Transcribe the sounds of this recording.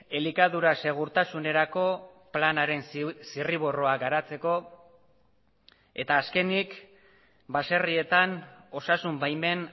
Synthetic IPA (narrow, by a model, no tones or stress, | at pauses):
e̞likaðuɾase̞ɣ̞uɾt̪asune̞ɾako̞ | planaɾe̞nsiriβ̞o̞ro̞aɡaɾat͡se̞ko̞ | e̞t̪aːske̞nik | base̞rie̞t̪ano̞sasumbajme̞n